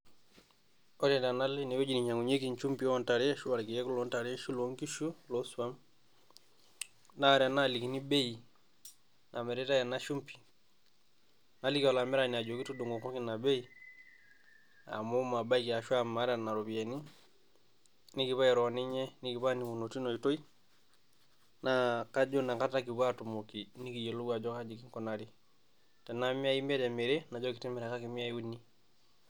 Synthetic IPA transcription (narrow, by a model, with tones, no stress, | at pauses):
ɔ˦tɛ˨nta˨na˦le˦ni˨wo˦d͡ʒi˨ni˨ɲa˨ŋu˨ɲe˦ki˦˨ɲt͡ʃu˦mpi˨˦nta˨ɾi˦ʃu˦a˨ɾki˨jɛ˦ku˦lo˦nta˨ɾɛ˦ʃu˦lo˦ŋki˦ʃu˦lo˦su˦a˦m | na˦˨ɾa˨na˦li˨ki˨ni˦be˦i | nʔa˨mɛ˨ɾɛ˦ta˦ja˨na˦ʃu˦mpi̥˨ | na˨˦li˦kiɔ˨la˨mɛ˦ɾani˨a˨d͡ʒo˨ki˦tu˦du˨ŋɡo˨kɔ˦ki˦na˨be˦i˨ | a̰˨mo˦ma˨ba˦iki˨a˨ʃu˦a˨ma˨˦ɾa˨na˨ɾo˨bi˨e˨ni˦ | ni˦ki˨βa˦jɛ˨ɾo˨ni˦ɲe˦ni˦ki˨βa˦ni˨mu˨no˨ti˦no˨i˨to˦i˦ | na˦ka˦d͡ʒo˦na˨ka˦ta˦ki˨ba˦tu˨mo˨ki˨ni˦ki˨je˨lu˦ɡa˨d͡ʒɔ˦ka˦d͡ʒi˨ki˦ŋkɔ˦na˨ɾi˦ | te˨na˦mi˦a˦ji˦me˦te˨me˨ɾe˦na˨d͡ʒɔ˦ki˨ti˦mɛ˨ɾa˨ka˦ki˨mi˦a˦u˦ni˦